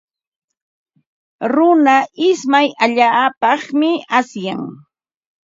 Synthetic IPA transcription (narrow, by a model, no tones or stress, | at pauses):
ɾʊnaʔɪsmajaʎaːpɑχmɪasjaŋ